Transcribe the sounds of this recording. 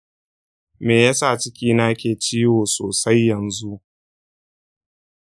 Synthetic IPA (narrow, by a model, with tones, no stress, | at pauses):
meː˨ja˦sa˦˨t͡ʃɪ˦kʲiː˦naː˦kʲeː˨t͡ʃiː˦woː˨soː˨sa˦jːɐ˨nzu˦ʔ